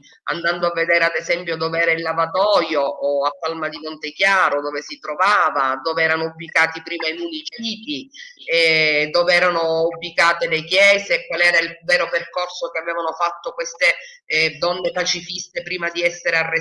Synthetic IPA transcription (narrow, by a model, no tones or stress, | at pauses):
a̰nd̪and̪oavːed̪ɛːɾead̪ezɛmpjod̪oːveɛːɾailːavat̪ɔːjoːapːalmad̪imont̪ekjaːɾod̪oːvesit̪ɾovaːvad̪oːveɛːɾanoubːikaːt̪ipɾiːmainunit͡ʃiːt̪iɛd̪oːveɛːɾanoubːikaːt̪elekjɛːzeːkːwalɛːɾailvɛːɾoperkorsokeavɛːvanofat̪ːokwest̪e | d̪ɔnːepat͡ʃifist̪epɾiːmad̪iɛsːeɾearːe